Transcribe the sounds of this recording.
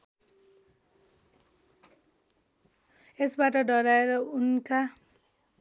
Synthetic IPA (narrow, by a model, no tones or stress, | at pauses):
esbaʈʌɖʌɾaeɾʌunka